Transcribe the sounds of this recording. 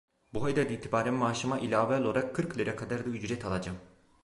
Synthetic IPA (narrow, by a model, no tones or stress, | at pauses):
buɦajd̪ad̪iːt̪ʰibaːɾɛnmaːʃɯmaʔilʲaːvɛloaɾakʰːɯɾklʲeɾɛkʰad̪aɾd̪ayd͡ʒɾɛt̪ʰalˠad͡ʒam